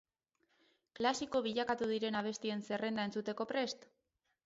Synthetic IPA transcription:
klasiko̞β̞iʎakat̪uð̞iɾe̞naβ̞e̞st̪ie̞nse̞re̞nd̪ae̞nt͡sut̪e̞ko̞pɾe̞st̪

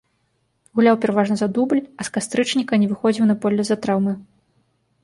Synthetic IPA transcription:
ɣulʲawpʲɛɾavaʐnɐzad̪ublʲɐskast̪ɾɨt͡ʂnʲikɐnʲɛvɨxɔd͡zʲiwnɐpɔlʲːɛzat̪ɾawmɨ

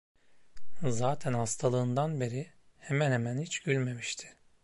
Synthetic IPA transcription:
zaːt̪ʰænhast̪ʰalˠɯːnd̪anbeɾihemænhemænhit͡ʃɟylʲme̞miʃt̪ʰɪ̥

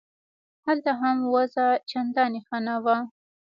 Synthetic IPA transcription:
halt̪aɦamwazat͡ʃand̪ɑnexanawa

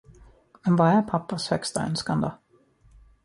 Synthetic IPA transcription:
mɛnvaæpʰapːəshœkst̪a̰œ̰nskand̪ə

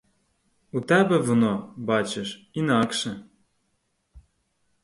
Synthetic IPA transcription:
ut̪ɛbɛʋɔnɔbɑt͡ʃeʃ | inɑkʃɛ

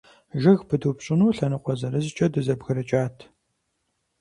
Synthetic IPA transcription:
ʒɨɣpʰɨdupɕʼɪnuːɬɐnɨqʷʼɔzɐɾɨzt͡ʃʼɐdɨzɐbɣɐɾɐt͡ʃʼaːtʰ

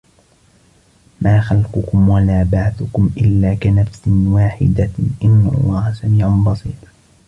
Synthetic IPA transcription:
maːxalqʊkʊmwalaːbaʕaθʊkʊmʔɪlːaːkanafsɪwaːħɪ̰d̪aʔɪnːa̰lˤːɑːhasamiːʕanbɑsˤḭːt̪

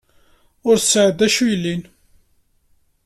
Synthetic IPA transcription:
ʊɾsːəʕəd̪æʃujəlːin

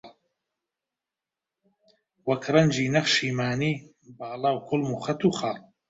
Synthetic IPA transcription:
wɐkʰrɐnd͡ʒiːnɐχʃiːmaːniː | baːlaːwkʰʊlmuːχɐt̪uːχaːl

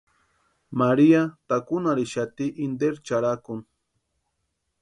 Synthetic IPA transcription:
maɾiat̪akʊnaɾɪʃat̪iʔind̪eɾt͡ʃaɾakʊŋ

